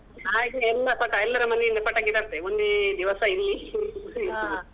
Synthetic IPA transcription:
aːikːɛlːɐpɐkːɐɛlːɐɾɐmɐnːenɐpːɐʈːaɡiʈaɾt̪ːeond̪ed̪iʋɐsɐilːi

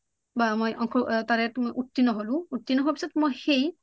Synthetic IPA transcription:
bamojʔɔŋkʰɔtaɹɛtmojʔutːinɔɦolʊ̃utːinɔɦɔpi̥sɔtmojxej

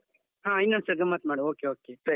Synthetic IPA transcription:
ɦãinːɐnsɐɡɐmːɐt̪maːɽɐoːkeoːketɐ

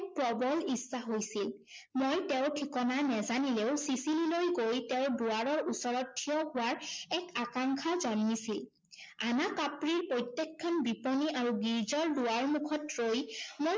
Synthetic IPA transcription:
k̚pɹɔbɔlisːaɦojsil | mojtɛʊ̃tʰikɔnanɛzanileʊsisililojɡojtɛʊbuaɹɔɹusɔɹɔtʰːijɔhʊwaɹɛkakaŋkʰazɔnːisil | anakapɹiɹpojtjekʰːɔnbipɔniʔaɹuɡiɹzɔɹduwaɹmukʰɔtɹojmo

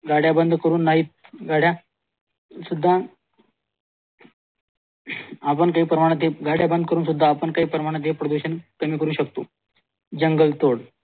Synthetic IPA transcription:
ɡʱaɽjabənd̪ʱkəɾuːnːaɦiːt̪̚ɡʱaɽja | sud̪ʱːa | apəɳkaɦiːpɾəmaɽ̃at̪ɦeɡʱaɽjabənd̪ʱkəɾuːnsud̪ʱːaːpəɳkaɦiːpɾəmaɽ̃at̪̬ɦepɾod̪uɕənkəmiːkəɾuːɕək̚t̪o̰ː | d͡ʑəŋɡəlt̪oɽ

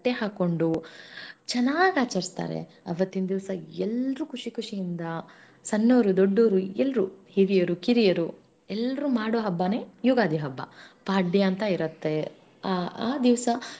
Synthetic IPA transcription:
ʈːeɦaːko̞ɳɖu | t͡ʃɐnːaːɡaːt͡ʃɐɾist̪a̰ːɾḛ | ɐ̰ʋɐt̪ːind̪iʋsɐɛlɾukuʂikʰuʂijind̪ɐ | sɐnːoːɾud̪oɖːoːɾuɛlɾuhiɾijɐɾukiɾijɐɾu | ɛlːɐɾumaːɽoːɦɐbːɐne̞ːjuːɡaːd̪iɦɐbːɐ̰paːɖːijɐnt̪ɐiɾɐt̪ːe̞ | aːd̪iʋɐsɐ

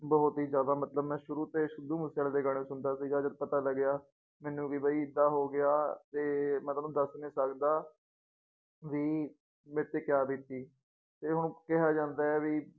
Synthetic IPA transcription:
bəɦʊt̪iːzjaːd̪aːmət̪ləbmɛ̃ːʃʊɾuːt̪eːʃʊd̪uːməsaːld̪eːɡəɳeːsʊnd̪aːsiːd͡ʒaːd͡ʒət̪̚pət̪aːləɡːɪjaː | mɛːnũːkiːbəiːɪd̪aːɦoːɡɪaːt̪eːmɛ̃ːt̪anũːd̪əsnĩːsəkd̪aː | ʋiː | mẽːt̪eːkɪjaːbiːt̪iː | t̪eːɦʊɳ̃kɛɦaːd͡ʒãːnd̪aːɛːʋiː

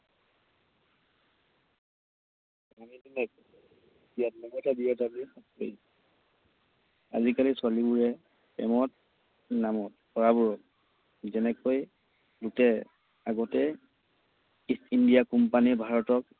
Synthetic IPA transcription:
amidinɛk̚ | ijatnɔmɔtadiɔtabiasḛj | a̰zikaliswalibuɹɛ | pɛmɔt̚ | namɔt̚pɔɹabuɹɔt | zɛnɛkoj | lutɛ | aɡɔtɛ | istindijakɔmpaniɹbʱaɹɔtɔk

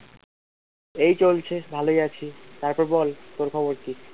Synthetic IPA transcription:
ejt͡ɕolt͡ɕʰebʱalojat͡ɕʰit̪aɾpɔɾbɔlt̪oɾkʰɔboɾt̪i

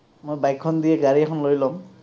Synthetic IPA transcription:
mojbajkʰːɔnd̪ijɛɡaɹiakʰɔnlojlɔm

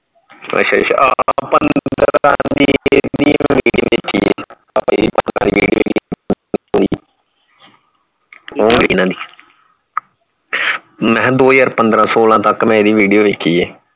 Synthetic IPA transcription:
ə̰tʃaa̰ʔapənd̪ɾãːd̪id̪iːm̃ːʋĩʋeːkʰiːeː | apeːiːpənd̪ɾãːd̪iːʋiːɖijo̰ːɡi | d̪iː | oːbiːnãːd̪iː | mɛ̃ːd̪oːjaːɾpənd̪ɾãːsoːlãːt̪əkmɛ̃ːd̪iːʋiːɖijoːʋeːkʰːiːeː

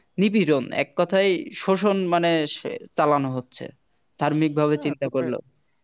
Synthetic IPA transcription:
nipiɾonɛ̰kːɔt̪ʰajʃoʃonmanet͡ɕalanoɦotːɕʰḛ | d̪ʱaɾmik̚bʱaβet͡ɕint̪akoɾlo̰

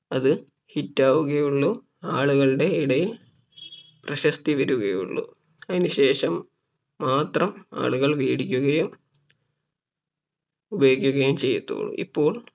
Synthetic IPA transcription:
ɐðɨ | hitːaːʋuɣɐjuɭːu | aːɭuɣɐɭɽe̞iɽɐjil | prɐɕɐst̪iʋɐɾuɣɐjṵɭːṵ | ɐðinuɕe̞ːʂɐmː | aːt̪rɐma̰ːɭuɣɐɭʋiːɽikʲːuɣɐjum | ubɐjoːkʲːuɣɐjumt͡ɕe̞jːɐt̪ːṵːɭṵʔḭpːo̞ːɭ

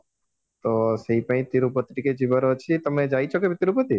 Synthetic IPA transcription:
t̪oseipə̃ĩt̪iɾupət̪ʈiked͡ʒibəɾot͡ʃʰit̪əmed͡ʒajt͡ʃʰokebʱit̪iɾupət̪i

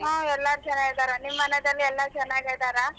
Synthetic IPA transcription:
ɦãːɛlːaɾut͡ʃɛnːaɡed̪aːɾanimːɐnɐd̪ɐlːiɛlːɐt͡ʃɛnːaːɡeɭd̪aːɾa

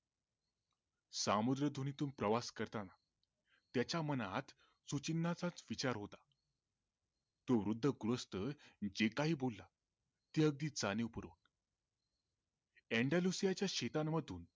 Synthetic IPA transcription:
samud̪ɾəd̪ʱonit̪uːnpɾəʋaskəɾt̪ana | t̪jat͡ɕjamənat̪ | sut͡ɕinːat͡sat͡sʋit͡ɕaɾɦot̪ḁ | t̪oʋɾud̪ʱːəɡɾəst̪əd͡ʑekaɦiːbolːa | t̪iəɡ̚d̪iːt͡saneupəɾo̰ːn | ɛɳɖalusijat͡ɕjaɕet̪amːəd̪ʱuːn

